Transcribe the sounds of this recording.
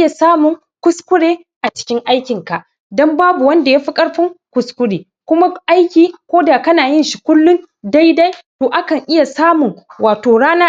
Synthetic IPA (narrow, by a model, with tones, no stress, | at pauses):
ja˨saː˦mʊ˨ŋ | kʷʊ˦skʷʊ˦ɽeː˦ | ʔa˨t͡ʃɪ̥˦kʲɪ˦ŋʔa˦jkʲɪ˨ŋka˨ʔ | dɔ˦mbaː˦bu˨wɐ˦nda˨jaː˦ɸi˦kʼɐ˦ɽɸɪ˦ŋkʷʊ˨skʷʊ˦ɽeː˨ | kʷʊ˦ma˦ʔa˦jkʲiː˨kʷoː˦daː˨kɐ˦naː˨jɪ˦nʃi˨kʷʊ˦lːʊ˦n | da˦jda˦jtoː˨ʔa˦kɐ˨ŋʔɪ˦ja˨saː˦mʊ˨ŋwaː˨toː˨ɽaː˦naː˦